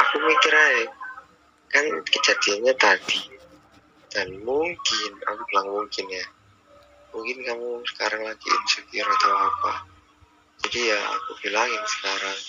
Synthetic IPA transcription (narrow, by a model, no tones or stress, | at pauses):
akumikɪɾaɛ | kankəd͡ʒ̥ad̥ianɲat̪ad̥i | d̥anmuŋkɪna̰kub̥ilaŋmuŋkɪnja | muŋkɪnkamusə̥kaɾaŋlaɡ̥ḭt̪usukiɾot̪iapa | d͡ʒ̥adijaa̰kub̥ilaŋjaŋsə̥kaɾaŋ